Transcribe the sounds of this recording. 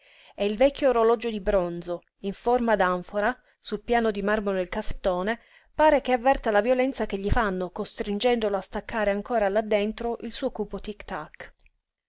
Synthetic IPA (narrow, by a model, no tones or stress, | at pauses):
eilvɛkʲːooɾolɔd͡ʒod̪ibɾond̪zo | iɱformad̪aɱfoɾa | sulpjaːnod̪imarmod̪elkasːe̥t̪ːoːne | paːɾekeavːɛrt̪alavjolɛnt̪sakeʎːifanːokost̪ɾind͡ʒɛnd̪oloast̪akːaːɾeaŋkoːɾalːad̪ːent̪ɾoʔilsuːokuːpot̪ikt̪ak